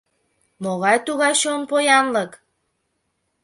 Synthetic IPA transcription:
moɣɑjt̪uɣɑjʃonpojɑnlək

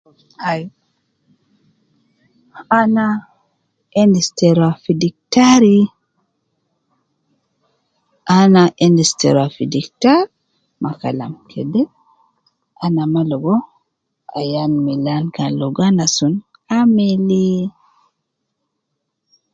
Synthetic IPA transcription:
aj | ana | endistɛɾafidik̚taɾi | ʔanaʔɛndistɛ̰ɾafidiktaɾ | makala̰mkʰɛdɛ | ʔanamalɔɡɔ | a̰janmilankalɔɡanasun | ameli

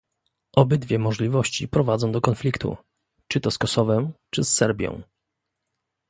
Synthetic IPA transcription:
ʔɔbɛd̪vʲjɛmɔʐlʲivɔɕt͡ɕḭpɾɔvad̪zɔ̃w̃d̪ɔkɔnflʲikt̪ʰṵ | t͡ʂɘt̪ɔskɔsɔvɛmt͡ʂɘsːɛɾbʲjɔ̰̃w̃

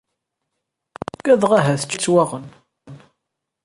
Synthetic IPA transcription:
ɡæðʁaɦæθə̥t͡ʃːt͡sːwaʁən | n

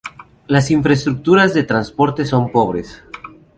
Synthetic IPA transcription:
lasiɱfɾest̪ɾuk̚t̪uɾazðet̪ɾanspoɾt̪e̞so̞mpoβ̞ɾes

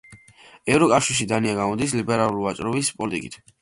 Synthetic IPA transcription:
ɛvɾɔkʼafʃiɾʃid̪aniaɡamɔd̪islibɛɾalˠulivat͡ʃʼɾɔbispʼɔlit̪ʼḭkʼḭt̪ʰ

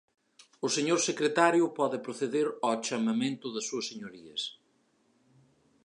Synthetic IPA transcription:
ʊseɲoɾsekɾet̪aɾjʊpɔðɪpɾoθeðeɾɔt͡ʃɐmɐmẽnt̪ʊðɐsuɐseɲoɾiɐs

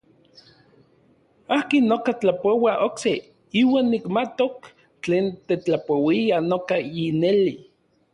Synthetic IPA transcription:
aːkinːokat͡ɬapowaʔokse | iːwaːnːikmat̪ok | t͡ɬeːnt̪et͡ɬapowianokaineli

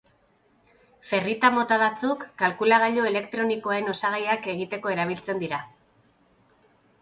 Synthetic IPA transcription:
fe̞rit̪amo̞t̪aβat͡sukːalkulaɣaʎoe̞le̞kt̪ɾo̞niko̞aɾe̞no̞saɣ̞ajake̞ɣ̞it̪e̞ko̞e̞ɾaβ̞ilt͡se̞nd̪iɾa

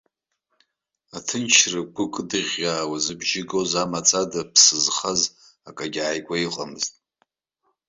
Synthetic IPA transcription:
atʰɨnt͡ʃʰrɨɡʷʊkʼdɨʁʲaːwazɨbʒɪɡozamat͡sʼadapʰsɨzχaz | akʼaɡʲʕːjɡʷaiqʼamɨztʼ

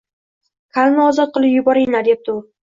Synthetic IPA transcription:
kʰalˠnaɒzɒt̪̚qʰɨlˠɪpjʊbɒɾɪnad̪ep̚t̪ʰʊ

